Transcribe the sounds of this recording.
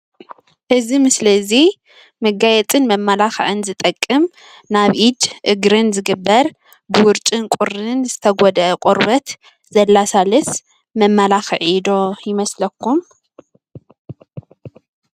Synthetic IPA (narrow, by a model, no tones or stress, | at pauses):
ʔɨzimɨslɐzi | mɐɡajɛt͡sʼɨnmɐmːalaxʕɨnzɨt̪ʼɐkʼːɨm | naβʔid̪ʔɨɡɾɨnzɨɡɨbːɐɾ | bɨwʊɾt͡ʃʼɨnkʼʊɾːɨnzɨt̪ʰɐɡʷɔd̪ʔɐkʼoɾbɐt̪ | zɐlːasalɨs | mɐmːalaxɨʕid̪o̞jɪmɐslɐkʰːum